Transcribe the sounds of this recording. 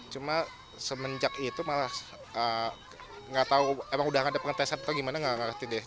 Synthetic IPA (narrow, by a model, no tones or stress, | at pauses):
t͡ʃuma | səməɲd͡ʒakit̪umalah | ə | ŋɡat̪auemaŋudahkaadapəŋt̪esat̪at̪auɡimanaŋaŋakət̪idɪ